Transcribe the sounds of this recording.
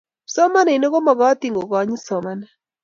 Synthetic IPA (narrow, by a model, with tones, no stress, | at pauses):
sɔ˦ma˦na˨i˨no˦ɡo˦mɔ˨ɡɔ˦t̪i˨ŋɡo˨kɔ˨˦ɲ˦sɔ˨ma˨na